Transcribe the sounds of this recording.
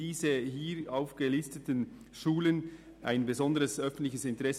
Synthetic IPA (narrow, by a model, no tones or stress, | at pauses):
iːzəɦiːɾaʊfɡ̥əlɪstətən | ʃuːlən | ʔaɪnbezɔndəʁəsʔœfən̩tlɪçəsɪntəʁɛs